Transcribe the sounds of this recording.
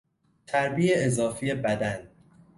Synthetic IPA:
t̪ʰæɾbiːeezɒːfiːje̞bæd̪æn

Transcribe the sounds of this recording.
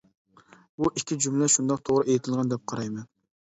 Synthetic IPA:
buʔikʲʰːid͡ʒumlɛʃund̪ɑq̚t̪ʰoʁɾɨejt̪ʰɪlˠʁɑnd̪ɛp̚qʰɑɾɑjmɛn

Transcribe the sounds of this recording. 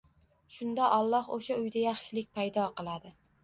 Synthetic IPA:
ʃʊnd̪aʔɒlˠːɒhoʃaʊjd̪ajɑχʃɪlɪk̚ʲpʰajd̪ɒqʰɨlˠad̪ɪ

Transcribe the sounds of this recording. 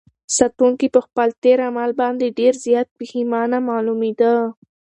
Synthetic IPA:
sat̪uŋkipəxpəlt̪eɾamalbɑnd̪eɖeɾzjɑt̪̚bəhimɑnamɑlumid̪a

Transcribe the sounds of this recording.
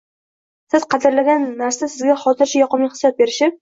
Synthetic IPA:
sɪz̥qʰɑd̪ɪɾlaɡʲanːaɾsasɪzɡʲaχɒt̪ɪɾt͡ʃʰajɒqɑmiχɨ̥sjɒt̪̚be̞ɾɪʃɪp̚

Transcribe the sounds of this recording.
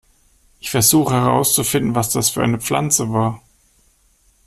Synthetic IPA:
ʔɪçfɛɐzuːχəhɛʁ̞a̰ʊst͡sufɪndn̩vasd̥asfyːɐʔa̰ɪnəp͡fla̰nt͡səvaːɐ

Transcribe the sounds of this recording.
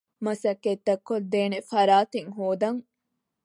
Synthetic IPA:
mɐsɐkːet̪ːɐkːod̪eːnefɐɾaːt̪eŋɦoːd̪ɐŋ

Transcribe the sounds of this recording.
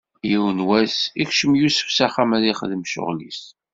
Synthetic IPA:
jiwənwæsikʃəmjusə̥fsaχamæðiχəðəmʃʊ̰ʁlis

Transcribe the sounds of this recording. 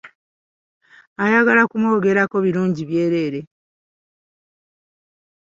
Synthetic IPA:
ajaɡalakumoːɡe̞ɾako̞βiɾuːɲɟiβje̞ːɾe̞ːɾe̞

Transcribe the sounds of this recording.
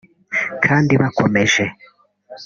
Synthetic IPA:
kʰaːndiβakʰomeʒe

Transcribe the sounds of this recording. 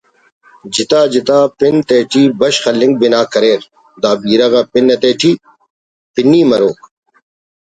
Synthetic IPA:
d͡ʑɪt̪aːd͡ʑɪt̪aːpɪnt̪eːʈʰiːbɐɕxɐlːɪ̃ŋɡ̚bɪnaːkɐɾeːɾ | d̪aːbiːɾɐɣɐpɪnːɐt̪eːʈʰiː | pɪnːiːmɐɾoːk

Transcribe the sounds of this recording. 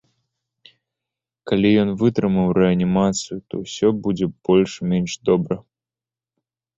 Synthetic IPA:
kalʲijɔnvɨt̪ɾɨmɨwɾɛɐnʲimat̪sɨjut̪ɔwsʲɔbud͡zʲɛb̥ɔlʲʂmʲenʲʂd̪ɔbɾɐ

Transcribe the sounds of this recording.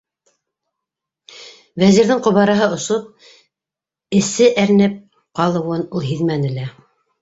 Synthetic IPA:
væziɾðɘŋqŏβɑɾɑɦɤŏsop̚ | ɘ̆sɘʔæɾ̆nɘp̚ | qɑlˠɤ̆wɤnulˠɦiðmænɘ̆læ

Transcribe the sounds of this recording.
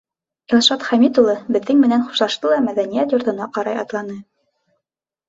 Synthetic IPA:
ilˠʃɑt̪χæmit̪ulˠɤbɘ̆ðːɘŋmɘ̆nænχu̥ʃlˠɑʃt̪ɤlˠɑmæðænijæt̪jŏɾt̪ɤ̆nɑqɑɾɑjɑt̪lˠɑnɤ

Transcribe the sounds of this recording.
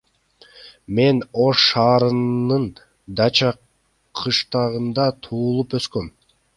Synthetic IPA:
me̞no̞ʃːɑːɾɯɯn | d̪ɑt͡ʃɑ | qʰɯʃt̪ɑʁɯnd̪ɑt̪ʰuːlˠupøskøm

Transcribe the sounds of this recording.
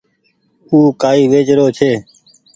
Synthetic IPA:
uːkaːiːʋeːt͡ʃɾoːt͡ʃʰeː

